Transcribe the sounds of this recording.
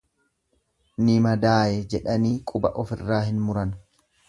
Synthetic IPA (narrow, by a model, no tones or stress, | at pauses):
nɪmɐd̪aːjɛd͡ʒɛᶑɐniːkʼʊbɐ̰ʔɔfɪrːaːhɪnmʊɾɐn